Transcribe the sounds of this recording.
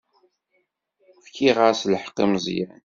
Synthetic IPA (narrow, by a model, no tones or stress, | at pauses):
fkiʁaɾsləħqːimzˤjæn